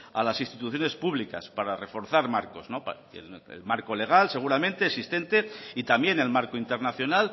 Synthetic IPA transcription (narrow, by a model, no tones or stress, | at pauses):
a̰lasist̪it̪uθjo̞ne̞spuβlika̰spaɾare̞fo̞ɾθaɾmaɾko̞zno̞p | ḛḛlmaɾko̞leɣ̞alse̞ɣ̞uɾamẽ̞nt̪eːsist̪e̞nt̪e̞it̪ambje̞ne̞lmaɾkoint̪e̞ɾnaθjo̞nal